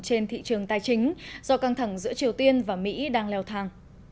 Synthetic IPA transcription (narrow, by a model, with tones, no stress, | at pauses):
t͡ɕe˧nt̪ʰḭ˧˨t͡ɕɨ˨˩əŋt̪aː˧˩jt͡ɕï˨˦ŋ̟z̥ɔ˧ka˧ŋt̪ʰa˧˩ŋzɨ̰˧˥ət͡ɕi˨˩əwt̪i˧ənvaː˨˩mḭ˧˥ɗaː˧ŋlɛ˧wt̪ʰaː˧ŋ